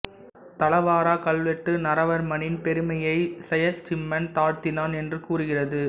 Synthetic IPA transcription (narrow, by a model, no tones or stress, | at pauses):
t̪ɐlɐʋaːɾaːkɐɭʋɛʈːɯnɐɾɐʋɐɾmɐnɪnpɛɾɯmɐjɐɪsɛjɐɾt͡ʃɪmːɐnt̪aːɾt̪ɪnaːnɛndrɯkuːrɯɣɪrɐðɯ